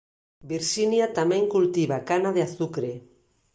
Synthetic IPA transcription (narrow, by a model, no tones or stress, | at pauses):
biɾʃinjat̪amẽŋkult̪iβakanaðeaθukɾe